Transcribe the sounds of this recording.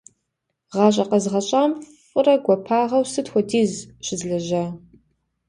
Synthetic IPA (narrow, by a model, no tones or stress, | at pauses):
ʁɑːɕ̬ʼɐqɐzʁɐɕʼaːmʼ | ʊrɐɡʷɔpʰaːʁɐwsɨtxʷɔdʰiːzɕɪzɮɐʒɐ